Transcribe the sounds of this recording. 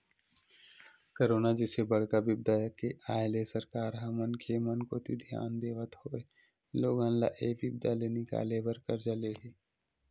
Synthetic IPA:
koɾoːnad͡ʒɪsebəɽ̤kabɪb̚d̪akeaːelesəɾkaːɾɦamənkʰemənkot̪ʰid̪ʱja̰ːnd̪eːʋət̪ɦoe | loːɡãnla̰ʔeːʋɪb̚d̪alenɪka̰ːlebəɾkəɾd͡ʒəleɦi

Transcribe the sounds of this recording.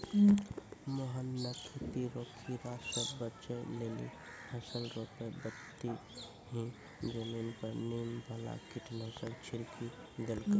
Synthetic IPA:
moɦənːək̪ʰit̪iɾokʰːiɾasəbət͡ʃəlelḭ | həsəlɾopebət̪ːi | ɦĩ | d͡ʒəminpəɾnimbʱəla̰kiʈʰnəsəɾt͡ʃʰiɾkʰi | d̪elkə

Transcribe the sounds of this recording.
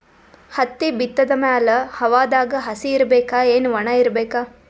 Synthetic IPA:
hɐt̪ːibit̪ːɐd̪ɐmaːlɐhɐʋaːd̪aːɡɐɦɐsiːɾɐbeːkaːeːnuʋɐɳɐiɾɐbeːkaː

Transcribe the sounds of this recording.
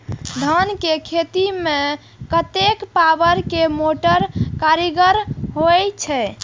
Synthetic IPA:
d̪ʱənkekʰet̪ime | kət̪ekpabəɾkemoʈəɾkaɾiɡəɾɦojt͡ʃʰɛ

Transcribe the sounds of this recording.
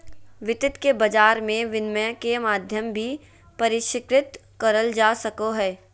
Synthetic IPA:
ʋɪt̪ɪt̪kebɐd͡ʒaːɾmẽʋɪnməkemaːd̪ʱjəmbʱi | pɐɾɪʃɪkɾɪt̪ | kɐɾəld͡ʒaːsɐkoɦɛː

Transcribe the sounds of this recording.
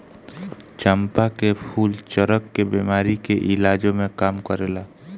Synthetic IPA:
t͡ʃəmpakepʰuːlt͡ʃəɾəkːebiːmaːɾikeʔɪlaːd͡ʒõmẽkaːmkəɾeːlaː

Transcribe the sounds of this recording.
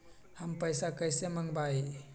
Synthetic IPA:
hampəjsakəjsemaŋbaj

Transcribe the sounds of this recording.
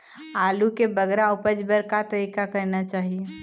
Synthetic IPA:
aːlukebəɡɾaʊpəd͡ʒbəɾkat̪əɾiːkakəɾnat͡ʃaːɦie

